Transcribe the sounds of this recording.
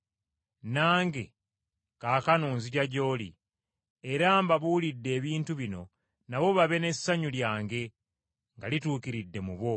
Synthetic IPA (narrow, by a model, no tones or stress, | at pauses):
naːŋɡe̞̰ | kaːkanuːnziɟaɟo̞ːlḭ | eɾaːmbaβuːlidːe̞ːβiːntuβino̞ | naβo̞βaβe̞ne̞sːaɲuljaːŋɡe̞ | ŋɡalituːkiɾidːe̞muβo̞